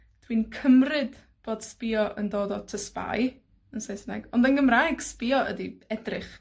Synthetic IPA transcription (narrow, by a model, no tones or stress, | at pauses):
d̥winkʰəmrɨd | b̥oːd̥spɪːɔʔəndoːdɔtʰəspa̰j | ənsejsəna̰ɡ̥ɔndənɡəmrajɡ̥spɪɔʔə̰diɛdrɪχ